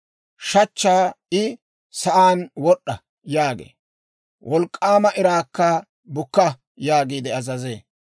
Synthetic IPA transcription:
ʃɐt͡ʃːaː | ɪ | sɐʔaːnwɔɗːɐ | jaːɡḛː | wʔɔlkʼːaːmɐʔɪɾaːkːɐ | bʊkːɐ | jaːɡiːd̪ɛɐzɐzeː

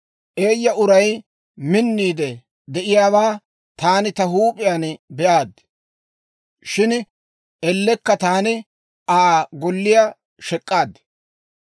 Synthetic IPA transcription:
ʔe̞ːjːɐʔʊɾɐj | mɪnːiːd̪ɛ | d̪ɛʔɪjaːβaː | t̪aːnɪt̪ɐɦuːpʼɪjaːnbɛʔaːd̪ | ʃɪn | ɛlːɛkːɐt̪aːnɪ | ʔaːɡɔlːɪja | ʃɛkʼːaːd̪

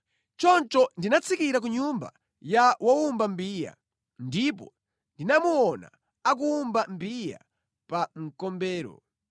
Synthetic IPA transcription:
t͡ʃɔnt͡ʃɔndinat͡sʰikiɾak̬uɲumba̰ | jawaumbambiːja̰ | ndipɔ̰ | ndinamuwɔna̰ | ak̬uːmbambija̰ | paŋ̩kɔmbɛːɾɔ̰

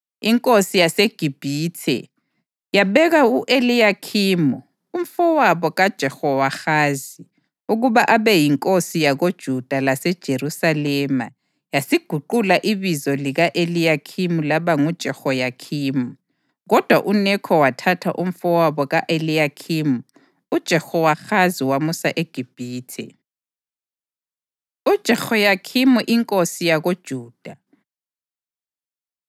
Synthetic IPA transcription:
iŋkʼosijaseɡ̥ʱib̥ʱiːtʰɛ̰ | jaβɛɣauʔelijakʰimu | um̩fɔwaβɔɣad̥ʒ̥ʱɛxɔwaxaːzi | uɣuβaʔaβɛjiŋkʼosijaɣod̥ʒ̥ʱud̥ʱalasɛd̥ʒ̥ʱeɾusalɛːma | jasiɡ̥ʱuǃulaʔiβizɔliɣaʔelijakʰimulaβaŋud̥ʒ̥ʱɛxojakʰiːmu | ɣɔd̥ʱwaʔunɛkʰɔwatʰatʰa̰ʔum̩fɔwaβɔɣaʔelijakʰimu | ud̥ʒ̥ʱɛxɔwaxaziwamusaʔeɡ̥ʱib̥ʱiːtʰɛ̰ | ud̥ʒ̥ʱɛxojakʰimuʔiŋkʼosijaɣod̥ʒ̥ʱuːd̥ʱa

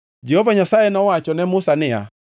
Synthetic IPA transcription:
d͡ʒɛhɔvaɲasaɛnɔwat͡ʃɔnɛmʊsanɪa̰

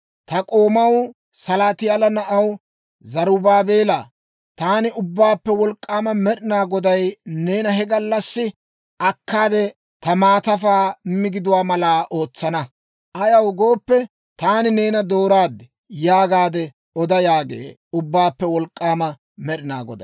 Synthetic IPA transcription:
t̪ɐkʼo̞ːmɐw | sɐlaːt̪ɪjalɐnɐʔɐw | zɐɾʊbaːbe̞ːlaː | t̪aːnɪʊbːaːpːɛwɔlkʼːaːmɐmɛɗɪnaːɡɔd̪ɐjne̞ːnɐɦɛɡɐlːɐsːɪ | ʔɐkʰːaːd̪ɛ | t̪ɐmaːt̪ɐfaːmːɪɡɪd̪ʊwaːmɐlaːʔoːt͡sːɐnɐ | ʔɐjɐwɡo̞ːpːɛ | t̪aːnɪne̞ːnɐd̪o̞ːɾaːd̪ːɛ | jaːɡaːd̪ɛ | ɔd̪ɐjaːɡḛː | ʊbːaːpːɛwɔlkʼːaːmɐ | mɛɗɪna̰ːɡɔ̰d̪ɐ̰

